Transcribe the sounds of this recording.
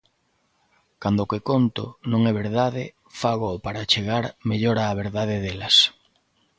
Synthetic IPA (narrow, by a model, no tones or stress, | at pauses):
kand̪ʊkekont̪ʊ̰nõŋɛβeɾðaðɪ | faɣʊːpaɾat͡ʃeɣaɾmeʎoɾaːβ̞eɾðað̞eðelɐs